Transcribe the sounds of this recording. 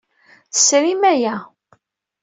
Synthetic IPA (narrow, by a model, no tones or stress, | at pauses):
θə̥sɾimæjæ